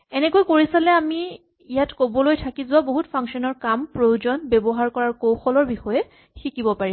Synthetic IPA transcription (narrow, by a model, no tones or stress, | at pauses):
ɛnɛkojkoɹisalɛamiː | jatkobɔlojtʰakizʊwaboɦutpʰaŋksɔnɔɹkampɹowd͡ʒɔnbɛbɔɦaɹkɔɹaɹkowxɔlɔɹbixɔjɛ | xikibɔpaɹi